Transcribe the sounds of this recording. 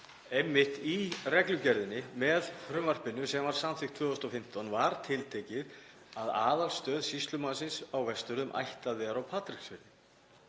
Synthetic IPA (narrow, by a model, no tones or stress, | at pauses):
emːɪht̪irɛklʏcɛɾðɪnːɪmɛðfɾʏmvar̥pɪnːʏsɛmvaɾ̥samθɪkt̪fvœːðʏst̪ɔfɪm̥t̪ɔnvaɾ̥t̪ʰɪlt̪ʰecɪð | aðaːðalst̪œːðsist̪lʏmanasɪnsawvɛst̪ʏɾðʏmʔa̰jht̪aðvɛðɾawpʰaːt̪ɾi̥ksvɪnɪ